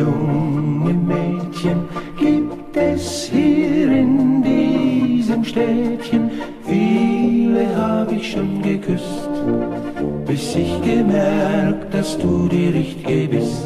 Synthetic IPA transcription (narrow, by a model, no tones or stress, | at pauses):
ʊŋəmɛːtçənɡ̥iːp̚ | tɛshiːʁɪndiːzəmʃtɛːtçən | fiːləɦaːbəɪçʃoːnɡəkʰʏs | t | b̥ɪsɪçɡ̥əmɛk̚t̚d̥asd̥uːdiːʁɪçtɪɡəbɪst